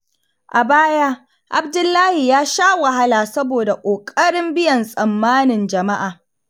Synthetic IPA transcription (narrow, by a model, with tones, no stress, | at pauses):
ʔa˨baː˦ja˦ | ʔa˨b̚dʊ˦lːaː˦hi˨jaː˦ʃaː˦wɐ˨ɦa˦laː˨sɐ˦boː˨da˨kʷʼoː˨kʼɐ˦ɽɪ˦mbɪ˦jɐ˨nsʼɐ˨mːaː˦nɪ˨nd͡ʒɐ˨ma˦ʔaː˨